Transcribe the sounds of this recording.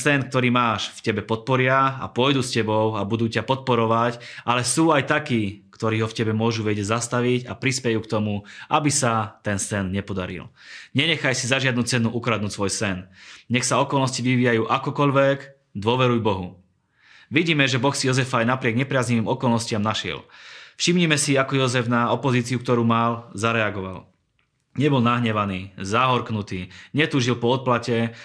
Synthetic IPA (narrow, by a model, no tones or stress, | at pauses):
sɛnk̚t̪ɔɾiːmaːʃfcɛbɛpɔt̪̚pɔɾɪaa̰pʊɔjd̪uːscɛbɔʊabud̪uːcapɔt̪̚pɔɾɔʋacalɛsuːajt̪akiːkt̪ɔɾiːɦɔfcɛbɛmʊɔʒuʋɛɟɛzast̪aʋiɟapɾispɛjuːkt̪ɔmua̰bisat̪ɛnsɛnɲɛpɔd̪aɾḭlɲɛɲɛxajsizaʒɪad̪nuːt͡sɛnuʔukɾad̪nuːcsʋɔjsɛnɲɛxsaɔkɔlnɔsciʋiʋiːjajuːʔakɔkɔʎʋɛɡ | d̪ʊɔʋɛɾujbɔɦu | ʋiɟiːmɛʒɛbɔxsijɔzɛfajnapɾɪɛɡɲɛpɾɪazɲiʋiːmɔkɔlnɔscɪamnaʃɪɛ̰lfʃimɲimɛsiakɔjɔzɛfnaɔpɔziːt͡siuk̚t̪ɔɾuːmalzaɾɛaɡɔʋa̰l | ɲɛbɔlnaɦɲɛʋaniːzaɦɔɾknut̪iːɲɛt̪uːʒilpɔɔt̪̚placɛ